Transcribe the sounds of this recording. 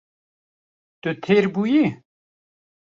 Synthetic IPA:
t̪ɨt̪ʰeːɾbuji

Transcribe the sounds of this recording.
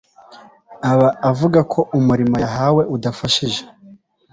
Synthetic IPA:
aβaːvuɡakʰo̞ʔumuɾimojaɦawe̞ʔudafaʃiʒe

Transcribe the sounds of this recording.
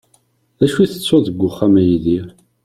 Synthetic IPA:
ðæʃwiθə̥t͡sːʊðəɡʷːʊχːamæjiði

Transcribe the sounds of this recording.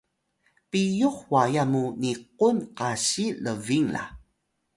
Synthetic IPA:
pijuχwajamuniq̚unqaɕiləviŋla̰

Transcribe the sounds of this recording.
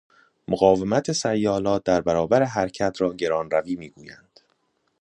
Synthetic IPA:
moɣɒːve̞mæt̪ʰesæjːɒːlɒːt̪̚d̪æɾbæɾɒːbæɾeɦæɾcʰæt̪ʰɾɒːɟe̞ɾɒːnræviːmiːɡuːjæ̰nd̪̥

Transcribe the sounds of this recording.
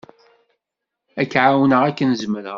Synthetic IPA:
ækːʕawnəʁækːənzməɾəʁ

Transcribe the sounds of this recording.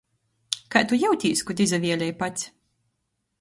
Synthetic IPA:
kat̪ujawt̪ʲiːskut̪izavʲiɛlʲɛjpat̪sʲ

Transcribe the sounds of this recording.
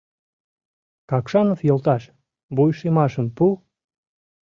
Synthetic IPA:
kɑkʃɑnofjolˠt̪ɑʃ | bojʃemɑʃəmpu

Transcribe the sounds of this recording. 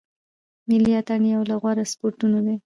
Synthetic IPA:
mɪliat̪aɳiawlaɣwaɾaspoɾʈunod̪e

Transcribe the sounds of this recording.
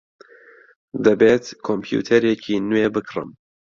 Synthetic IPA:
d̪ɐbeːt̪kʰompʰjṵt̪ʰɐɾekʰiːnweːbɨkrɨ̰m

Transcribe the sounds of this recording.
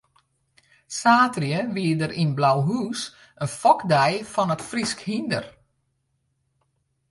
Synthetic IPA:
saːtrjəʋiədəɾʔinblawɦuːs | ənfɔkdɛjfɔnətfriskhində̰r

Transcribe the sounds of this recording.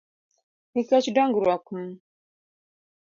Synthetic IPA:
hikat͡ʃidaŋɡuɾakum

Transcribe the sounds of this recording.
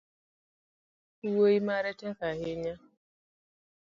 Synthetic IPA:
iwoimaɾɛtɛŋkaheɲa

